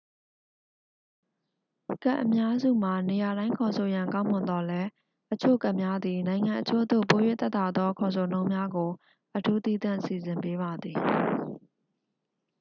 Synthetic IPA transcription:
ka̰˦ʔːəmja˦zṵ˦˨m̥a˨ne˨ja˨ɾã˦ɪ̃ŋkʰɔ˨sʰo˨jã˨ŋkã˦mʊ̃˨nd̪ɔ˦lɛ˦ | ʔət͡ɕʰo̰˦˨ka˦ʔmja˦d̪ði˨nã˨ɪ̃ŋã˨ʔət͡ɕʰo̰˦d̪o̰˦˨po˨jwɪ˦ʔt̪ɛ˦t̪a˨d̪ɔ˦kʰɔ˨s̬ʰo˨nõ˦ʊ̃mja˦ɡo˨ | ʔətʰu˦t̪i˦˨t̪ã˦˨si˨zɪ̃˨mpe˦βa˨d̪ði˨

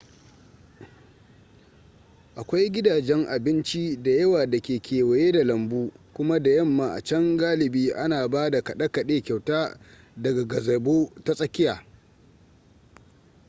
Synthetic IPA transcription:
ʔa˨kʷa˦jɡʲɪ˦daː˨d͡ʒɛ˦ŋʔa˨bɪ˦nt͡ʃi˦da˨jɐ˦waː˨da˨kʲeː˨kʲʰeː˨wɐ˨jeː˦da˨lɐ˨mbuː˦kʷʊ˦ma˦da˨jɐ˦˨mːa˨ʔa̰˨t͡ʃɐ˦ŋɡaː˦lɪ˨biː˦ʔa˦naː˨baː˦da˨kɐ˨ɗɐ˦kɐ˨ɗeː˦kʲa˨wtaː˦ | dɐ˨ɡa˨ɡɐ˨zɐ˨boː˦ta˦sʼɐ˦kʲɪ˦jaː˨

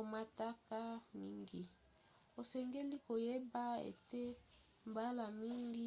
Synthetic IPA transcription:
o˨ma˨ta˦ka˦mi˦ŋɡi˨ | o˨sɛ˨ŋɡe˦li˦ko˨je˦ba˦ḛ˨te˦ | m˨ba˦la˨mi˦ŋɡi˦

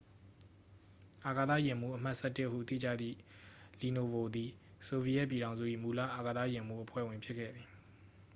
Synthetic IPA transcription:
ʔa˨ɡa˨t̪ä̰˦˨jɪ̃˨m̥ṵ˦˨ʔəm̥a˦ʔsɛ˦tɪ˦ʔɦːṵ˦˨t̪ḭ˦˨d͡ʑa̰˦˨d̪ðḭ˦˨li˨no˨bo˨d̪i˨ | so˨vi˦jɛ˦ʔp̬ji˨ɾã˨ʊ̃zṵ˦˨ʔḭ˦˨mu˨la̰˦˨ʔa˨ɡə˨t̪a˦˨jɪ̃˨m̥ṵ˦˨ʔəpʰwɛ̰˦˨wɪ̃˨mpʰjɪ˦kʰːɛ̰˦˨d̪ði˨

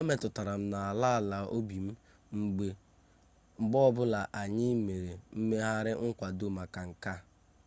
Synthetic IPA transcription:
me˨tʊ˨ta˨ɾa˨m̩˦na˨a˨la˦˨la˨o˦bi˨m̩˦ | ŋ͡m̩˨ɡ͡be˨ | ŋ͡m̩˨ɡ͡bɔ˦ɔ˦bʊ˦la˨ʔa˨ɲɪ˦me˨ɾe˨m̩˦me˦ɦa˦ɾɪ˦ŋ̩˦kʷa˨do˦ma˨ka˨ŋ̩˨ka˦

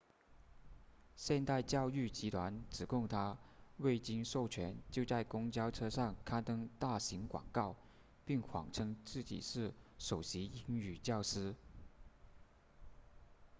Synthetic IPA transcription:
ɕjɛ˥˧nt̪a˥˧ɪt͡ɕjɑ˥˧ʊy˥˩t͡ɕi˧˥t̪ʰwa˧˥nʈ͡ʂɻ̩˨˩kʰʊ˥˩ŋt̪ʰa˥we˥˩ɪt͡ɕi˥ŋʂo˥˩ʊt͡ɕʰɥɛ˧˥nt͡ɕjo˥˧ʊt͡sa˥˩ɪkʊ˥ŋt͡ɕjɑ˥ʊʈ͡ʂʰɤ˥ʂɑ˥˩ŋkʰa˥nt̪ɤ˥ŋt̪a˥˩ɕi˧˥ŋkwɑ̰˨˩ŋkɑ˥˧ʊ | pi˥˩ŋxwɑ̰˨˩ŋʈ͡ʂʰɤ˥ŋt͡sɹ̩˥˩t͡ɕḭ˨˩ʂɻ̩˥˩ʂo˨˩ʊɕi˧˥i˧˥ŋy˨˩t͡ɕjɑ˥˩ʊʂɻ̩˥

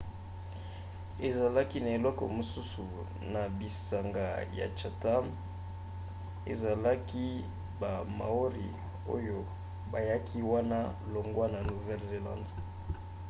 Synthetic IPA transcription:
e˨za˨la˦ki˦na˨e˨lɔ˦kɔ̰˨mo˨su˦su˨ | na˨bi˨sa˨ŋɡa˨ja̰˨t͡ʃa˨ta˦m | ḛ˨za˨la˦ki˦ | ba˨ma̰˨o˦ʁi˨ | o˦jo˦ | ba˨ja˦kʰi˦wa˦na˦lo˨ŋɡwa˦na˨nu˨vɛ˦lze˨lã̰˦˨nd

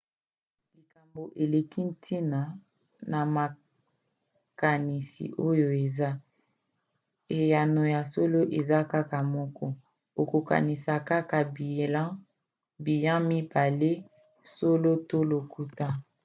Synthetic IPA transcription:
li˨ka˨mbo˨ʔe˨le˨ki˦n̩˦tʰi˦na˨ | na˨ma˨ | ka˨ni˨sḭ˨ʔo˦jo˦e˨za˦ | e˨ja˨no˨ja˨so˦lo˦ʔe˨za˦ka˦ka˨mɔ˦kɔ˦ | o˨ko˨ka̰˨ni˨sa˨ka˦ka˨blã˦ | bi˨jã˦mi˦ba˨le˦ | so˦lo˦to˦lo˨ku˦ta˦

